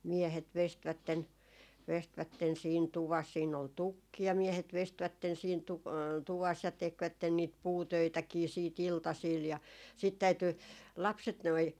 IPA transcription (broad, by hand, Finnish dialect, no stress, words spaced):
miehet ʋestʋætːen ʋestʋætːen siːn tuʋɑs siːn ol tukːi jɑ miehet ʋestʋætːen siːn tu tuʋɑs jɑ tekʋætːen niːt puːtøitækiː siːt iltɑsiːl jɑ sit tæyty lɑpset noi